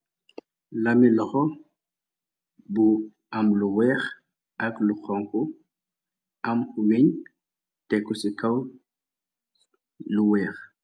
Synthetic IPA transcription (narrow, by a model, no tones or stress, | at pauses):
lɐmilɔxɔ | bu | ɐmluwɛːx | ʔɐkluxɔŋku | ʔɐmkuweɲ | tɛkusikɐw | luwɛːx